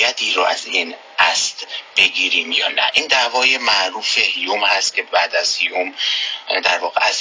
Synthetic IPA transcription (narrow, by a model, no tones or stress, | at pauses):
jæt̪ʰiːɾɔæziːn | ʔæst̪b̥e̞ɡiːɾiːmjɒ̰ːnæ̰ʔiːnd̪æːvɒːjemæʔɾuːfehijomhæst̪̚cʲʰe̞bæːd̪æz̥hijomd̪æɾvɒːɣḛæ̰z